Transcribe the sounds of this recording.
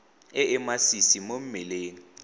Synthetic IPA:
ɪɪmasisimom̩mɪleːŋ̩

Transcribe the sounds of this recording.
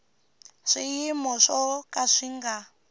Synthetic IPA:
ʂijimɔʂɔkaʂiŋɡa

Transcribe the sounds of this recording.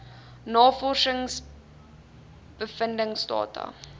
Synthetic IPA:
nɑːfɔʃəŋs | b̥əfəndəŋsdɑ̰ːtɐ̰

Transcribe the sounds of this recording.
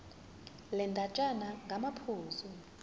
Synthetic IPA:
lɛndʼʱat͡ʃʼanaŋɡʱamapʰuːzu

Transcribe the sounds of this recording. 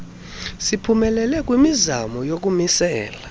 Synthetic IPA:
sipʰumɛlɛlɛk̬ʼwimizamɔjok̬umisɛːla

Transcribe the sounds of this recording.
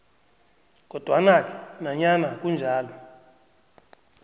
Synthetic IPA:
k̬ʼɔd̥ʱwanak̬ʰʼɛ̥naɲanakʼund͡ʒʱaːlɔ

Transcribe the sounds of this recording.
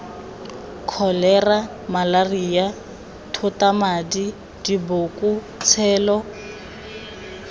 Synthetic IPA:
kʰɔlɛra | malarija | tʰʊtamadi | dibokʼu | t͡sʰɛːlɔ

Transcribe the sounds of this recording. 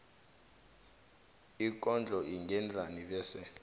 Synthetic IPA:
ik̬ʼɔnd͡ɮʱɔʔiŋɡɛnd͡ɮʱaniɓɛːsɛ

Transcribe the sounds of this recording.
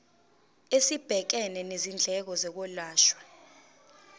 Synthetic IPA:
esib̥ʱɛk̬ɛnɛnezind͡ɮʱɛk̬ɔzɛk̬ɔlaːʃwḁ

